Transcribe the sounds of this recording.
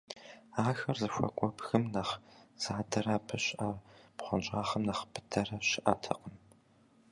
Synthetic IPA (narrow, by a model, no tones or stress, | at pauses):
aːxɐrzɨɕʷɐ̰kʷʼɔpxɨmnɐχz̥aːdɐɾaːpʰɨɕʼʔɐpχʷɔnt͡ʃʼaːχɐmnɐχpʰɨ̥dʰɐrɐɕɪʔɐtʰɐ̰qəm